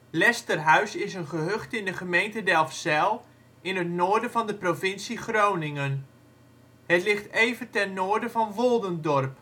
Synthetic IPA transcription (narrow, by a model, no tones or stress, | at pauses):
lɛstərɦœɥsɪsənχəɦøχtɪndəχəmejntədɛlˠfsɛlˠ | ʔɪnətnoːɹdəvɑndəprovɪnsiχrownɪŋən | hətlɪχtejvəntɛnːoːrdəvɑnʋolˠdəndɔrp